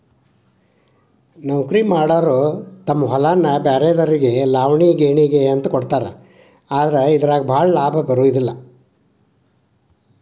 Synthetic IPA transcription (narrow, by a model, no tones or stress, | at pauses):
nɐwkɾimaːɽaːɾoːt̪ɐmːɐɦɔlaːnːɐbaːɾeːd̪ɐɾiɡelaːʋɳiɡeːɳiːɡeɐnt̪ɐkɔɽt̪aːɾe | aːd̪ɐɾeid̪ɐɾaːɡɐbʱaːɭɐlaːbʱɐbɐɾuːd̪ilːɐ